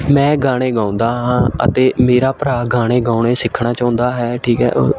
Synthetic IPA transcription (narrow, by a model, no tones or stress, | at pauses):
mɛ̃ːɡaːɽ̃eːɡãːʊ̃nd̪aːɦãːə̰t̪eːmeːɾaːpəɾaːɡaːɽ̃eːɡaːʊɳeːsɪkʰːɳaːt͡ʃaːʊ̃nd̪aːɦɛːʈʰiːkɦɛ̰ːʔo